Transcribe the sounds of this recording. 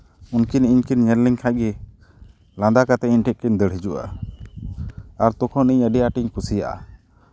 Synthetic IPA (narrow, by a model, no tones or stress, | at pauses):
unkiniɲkinɲɛɾliŋkʰaʔɡɛ | lãnd̪akat̪ɛiɲʈʰɛʔ̚kiɲd̪əɽɦɛd͡ʒuʔa̰ | aɾt̪ɔkʰɔniɲəɖɛjaʈiɲkʰusijaʔa̰